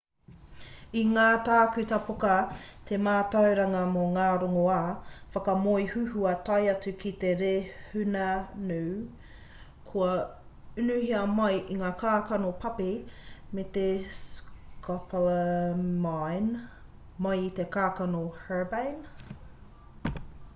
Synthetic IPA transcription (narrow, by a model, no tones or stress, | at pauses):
iŋaːt̪aːkʉt̪ɐpokɐt̪ʰemaːtɐwɾɐŋɐmoŋaːɾoŋoaːfɐkɐmojhʉhuɐt̪ɐjɐt͡sʉkit̪eɾehʉnɐnʉː | kʰoɐ | ʉnʉhiɐmɐjʔiŋaːkaːkɐnopʰɐpemet̪eskʰaplmajn | mɐjt̪ekaːkɐnohɛːbajn